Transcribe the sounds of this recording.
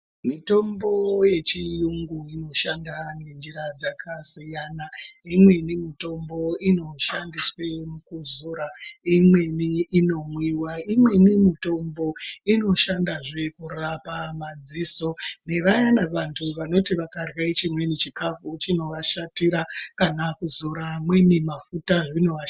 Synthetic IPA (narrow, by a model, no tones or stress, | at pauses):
mito̞mbo̞je̞t͡ʃijuŋɡuino̞ʃandane̞nd͡ʒiɾad͡zakʰasijaːnaimwe̞nimito̞mbo̞ino̞ʃandiswe̞mukuzuːɾaimwe̞niːno̞mwiwaimwe̞nimito̞mbo̞ino̞ʃandaʐe̞kurapamad͡ziso̞ne̞ʋajanaʋantʰuʋano̞tiʋakarwait͡ʃimwe̞nit͡ʃikafut͡ʃino̞ʋaʃatiɾakanakuzuɾamwenimafutaʐino̞ʋa